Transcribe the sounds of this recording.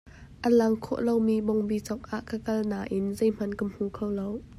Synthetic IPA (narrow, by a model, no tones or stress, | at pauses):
ʔəlɐŋkʰɔ̰ʔlowmibɔŋbit͡sɔk̚ʔaʔkəkɐlnaːʔɪnzejm̥ɐnkəm̥ukʰowlow